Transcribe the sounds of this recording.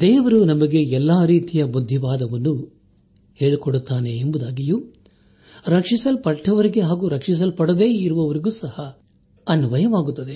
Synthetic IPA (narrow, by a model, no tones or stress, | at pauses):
d̪ɛːʋɐɾunɐmɐɡe̞ɛlːaːɾiːt̪ijɐbud̪ʱːiʋaːd̪ɐʋɐnːu | he̞ːɭikoɽut̪ːaːne̞ːmbud̪aːɡiju | ɾɐkʂisɐlpɐʈːɐʋɐɾiɡe̞ɦaːɡuɾɐkʂis̬ɐlpɐɽɐd̪e̞ːiɾuʋɐʋɐɾiɡuːsɐhɐ | ɐnuʋɐjɐʋaːɡut̪ːɐd̪e̞